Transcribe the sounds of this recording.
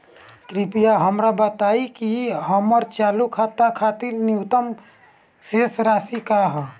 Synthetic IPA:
kɾipijaɦəmɾabət̪aikiɦəməɾt͡ʃalukʰat̪akʰat̪iɾniut̪əm | sesɾasikaɦ

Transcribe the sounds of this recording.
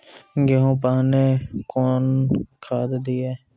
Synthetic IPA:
ɡeɦõːpaːneːkoːnkʰaːd̪d̪iɛː

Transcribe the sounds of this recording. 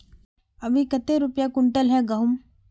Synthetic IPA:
ɐbʱikɐt̪eɾʊpjakʊɳʈəlɦɛ̃ɡɐɦʊm

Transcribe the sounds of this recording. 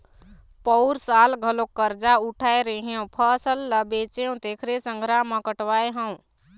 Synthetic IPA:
pɔʊɾsaːlɡʱəlokːəɾd͡ʒauʈʰaeɾəɦeũpʰəsəlːəbet͡ʃeũt̪ekʰɾesəŋɡʱɾaməkəʈʋaeɦə̃w̃

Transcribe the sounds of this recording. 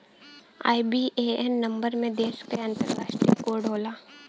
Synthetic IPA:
a̰ːibieɛnːɐ̃mbəɾmẽd̪eːʃkeɐ̃nt̪əɾɾaːʃʈɾijkoːɖʱoːlaː

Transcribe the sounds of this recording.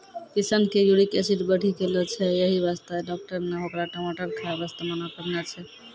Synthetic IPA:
kisənkejuɽikesiʈbəɽ̤ʰʱikelɔt͡ʃʰɛjeɦiβast̪aɖɔk̚ʈəɾneɦokɾaʈɔmaʈəɾkʰaebast̪amənakəɾnat͡ʃʰɛ

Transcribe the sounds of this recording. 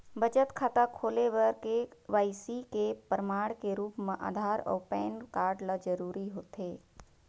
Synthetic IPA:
bəd͡ʒət̪kʰaːt̪akʰoːleʋəɾkeʋaːjsikepəɾəmaːɽkeɾuːpmẽʔa̰ːd̪ʱaːɾɔ̰ːpɛːnkaːɾɖlad͡ʒəɾuːɾiɦoːt̪eː

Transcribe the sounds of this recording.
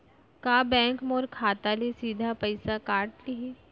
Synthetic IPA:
kaːbɛ̃ːŋkmoːɾkʰaːt̪alesiːd̪ʱapɐɪsakaːɾʈliɦeː

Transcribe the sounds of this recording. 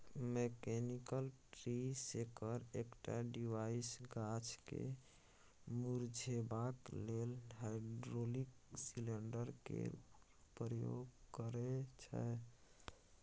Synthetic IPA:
mekenikəlʈɾisekəɾekʈa̰ɖiʋaisɡat͡ʃkḛ | muɾd͡ʒʱebaklelɦajɖɾoliksileɳɖəɾkḛ | pɾəjo̰ɡkəɾet͡ʃʰə̰

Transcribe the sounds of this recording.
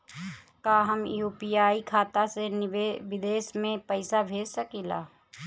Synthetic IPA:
kaːɦəmjuːpiaːikʰaːt̪aseneʋɪd̪eːʃmẽpəɪsabʱeːd͡ʒsəkilaː

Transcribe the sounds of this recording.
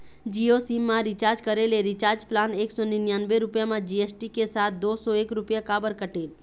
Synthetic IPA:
d͡ʒiosimːãɾit͡ʃaːɾd͡ʒkəɾeleɾit͡ʃaɾd͡ʒplaneːksɔninjanbeɾʊpjamãd͡ʒiesʈikesat̪̚ʰd̪osɔeːkɾupjakaːbəɾkəʈeːl

